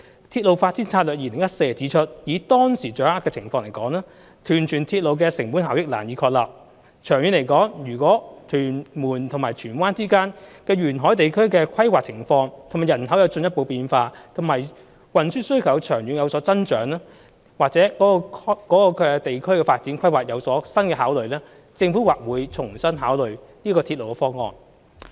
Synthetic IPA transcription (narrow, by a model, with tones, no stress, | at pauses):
t̪ʰi˧t̚lo˨˧wfaː˧t̚t͡siː˨˥nt͡sʰaː˧t̚lœː˨k̚iː˨lɪ˨˩ŋjɐ˥t̚se˧jt͡si˨˥t͡ʃʰɵ˥t̚jiː˨˥t̪ɔː˥ŋsiː˨˩t͡ʃœː˨˩aː˥kːɛː˧t͡sʰɪ˨˩ŋfɔː˧ŋle˨˩jkɔː˨˥ŋlɛː˥ | t̪ʰyː˨˩nt͡ʃʰyː˨˩nt̪ʰiː˧t̚lo˨˧wkɛː˧sɪ˨˩ŋpuː˨˥nɦaː˨wjɪ˥k̚laː˨˩njiː˨˧˥kʰɔː˧k̚la̰ː˨p̚ | t͡ʃʰœː˨˩ŋjyː˨nle˨˩jkɔː˨˥ŋjyː˨˩kwɔː˨˥t̪ʰyː˨˩nmuː˨˩nt̪ʰŋmaː˨˩t͡ʃʰyː˨˩nwaː˥nt͡siː˥kaː˥nkɛː˧ɥyː˨˩nɦɔː˨˥jt̪e˨jkʰɵ˥ɥkɛː˧kʰɐ˥jwaː˨k̚t͡sʰɪ˨˩ŋfɔː˧ŋt̪ʰo˨˩maː˨˩jɐ˨˩nhɐ˨˥wjɐ˨˧wt͡sɵ˧njɐ˥t̚po˧wpiː˧nfaː˧t̪ʰʊ˨˩maː˨˩j | wɐ˨nsyː˥tsɵ˥ɥkʰɐ˨˩wt͡ʃʰœː˨˩ŋjyː˨˥njɐ˨˧wsɔː˨˥t͡sɐ˥nt͡ʃœː˨˥ŋlaː˥ | waː˨k̚t͡sɛː˨˥kɔː˨˥˧kɔː˨˥kɔː˧kɛ˧t̪e˨jkʰɵ˥ɥkɛː˧faː˧t̚t͡siː˨˥nkʰɐ˥jwaː˨k̚jɐ˨˧wsɔː˨˥sɐ˥nkɛː˧ɦaː˨˥wlɵ˨˧ɥlɛː˥ | t͡sɪ˧ŋfuː˨˥waː˨˩k̚wuː˨˧jt͡sʰʊ˨˩ŋsɐ˥nɦaː˨˥wlɵ˨˧ɥ | niː˥kɔː˧t̪ʰi˧t̚lo˨˩wkɛ˧fɔː˥ŋɔ̰ː˧n